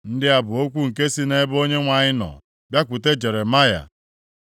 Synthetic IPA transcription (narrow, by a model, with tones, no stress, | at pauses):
n̩˦dɪ˦a˨bʊ˨o˦kʷu˦ŋ̩˨ke˦si˦ne˦bo˦ɲe˦ŋʷa˨ɲɪ˦nɔ̰˨ | bja˦kʷʊ˨te˦d͡ʒe˨ɾe˨ma˦ja̰˨